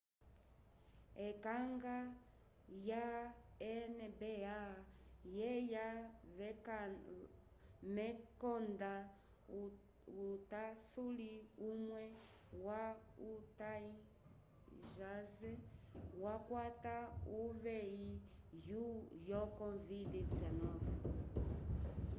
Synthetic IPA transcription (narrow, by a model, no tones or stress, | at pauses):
ɛkaŋɡa | jaɛnɛbɛajɛja | mɛkɔnda | utasuliumwɛ | wautai | ʒazɛwakwatauvɛijujɔkɔvididizanɔvɛ